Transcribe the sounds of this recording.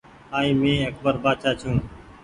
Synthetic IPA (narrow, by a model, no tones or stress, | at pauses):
aːĩːmẽːək̚bəɾbaːt̪ʃaːt͡ʃʰũː